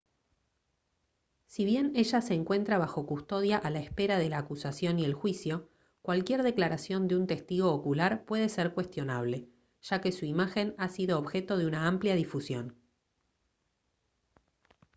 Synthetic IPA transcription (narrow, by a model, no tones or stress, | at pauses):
siβje̞ne̞ʒaseːŋkwe̞nt̪ɾaβaxo̞kust̪o̞ðjaʔalaespe̞ɾaðe̞laːkusasjo̞nie̞lxwisjo̞ | kwalkje̞ɾðe̞klaɾasjo̞nd̪eunt̪e̞st̪iɣo̞ːkulaɾpwe̞ð̞eseɾkwe̞st̪jo̞naβ̞le̞ | ʒ̥ake̞suimaxe̞nasiðo̞ːβxe̞t̪o̞ðeunaampljaðifusjo̞n